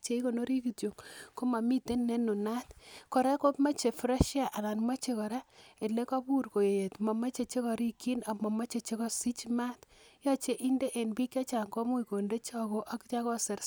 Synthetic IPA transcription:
t͡ʃe˨i˦ko˨no˦ɾi˦ki˨tjo˨ŋko˦ma˨mi˦te˦nːe˦nu˨na˦tkɔ˨ɾa˦ko˦pma˦t͡ʃe˨fɾa˦ʃja˨ʔa˨la˨nma˦t͡ʃe˦kɔ˨ɾa˦e˨le˦ka˦pu˦rko˨je˨je˨tma˨ma˦t͡ʃe˨t͡ʃe˦kɔ˨ɾi˦kːi˦na˨mɔ˨ma˦t͡ʃe˨t͡ʃe˦kɔ˦si˦t͡ʃma˦tja˦t͡ʃe˦ʔi˦nde˦ʔe˨nbi˦kja˦t͡ʃa˨ŋkɔ˦mu˦i˨ko˨nde˦t͡ʃɔ˨ko˦ʔa˦kt͡ʃa˦kɔ˦se˨ɾ

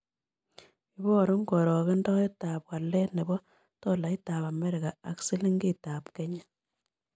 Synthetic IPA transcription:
i˦bɔ˦˨ɾu˦ŋɡo˨ɾɔ˨ɣe˦ndɔ˦i˦ta˨pwa˨le˦ne˨bɔ˦ | tɔ˦la˨i˦ta˨pa˨me˦ɾɪ˨ɣa˨a˨ksi˦li˦ŋɡi˦ta˨pke˦ɲa˦

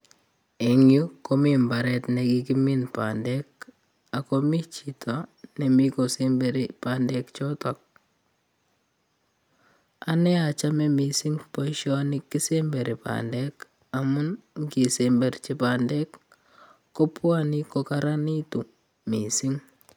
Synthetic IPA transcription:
e˨ŋju˦ko˦mimba˨ɾɛtne˨kiki˦minpa̰ndɛk̚ | a˨komi˦t͡ʃitʰane˨mi˦kosembe˨ɾipandɛ˦kt͡ʃɔ˦tɔk̚ | a˦nɛ˦a˨t͡ʃamɛ˦mi˨siŋpo˦ʃɔnikːi˦sembe˨ɾi˨pa̰ndɛk | a˨mu˦nki˨sembe˨rt͡ʃi˦pandɛ˦kː | o˦pwani˦kokaɾa˦ni˦tu˨ | mi˨si˦ŋ

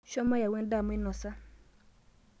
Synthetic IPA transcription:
ʃɔ˦ma˦ja˨wɛ˦nda˦˨mɔ˦ɪ˦nɔ˨sa˦

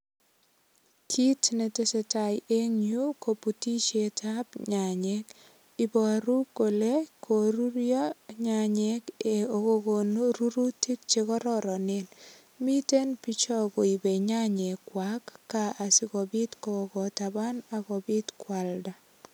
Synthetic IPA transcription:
kʰi˦tne˨te˨se˨ta˨je˦ŋɲju˦ko˨puti˦t͡ʃe˨tʰapɲa˨ɲek | ɪbɔ˨ɾu˦ko˨lekʰo˨ɾuɾjɔ˦ɲaɲeke˨oko˨konɾu˦ɾu˦ti˦k̚t͡ʃe˦kɔ˦ɾɔɾɔ˨nen | mi˦te˦npi˦t͡ʃɔ˦ko˨i˨be˨ɲa˦ɲe˨kwakːaa˨si˦kɔ˨bi˦tko˨kɔ˨taba˦na˨kɔ˨bɪ˦tkwalda˨

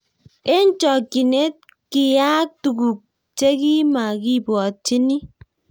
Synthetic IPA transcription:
e˦n̩˦t͡ʃɔ˨ki˨ne˦t̚ | ki˨ja˦tu˨ɡu˨k̚ | t͡ʃe˦ki˦ma˨ki˦bɔ˨t͡ʃi˦ni˦

